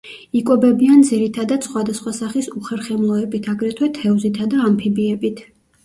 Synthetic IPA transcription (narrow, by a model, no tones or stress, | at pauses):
ikʼɔbɛbiand̪ziɾit̪ʰad̪ad̪sχwad̪asχwasaχisuχɛɾχɛmlˠɔɛbit̪ʰaɡɾɛt̪ʰwɛt̪ʰɛɔzit̪ʰad̪aːmpʰibiɛbit̪ʰ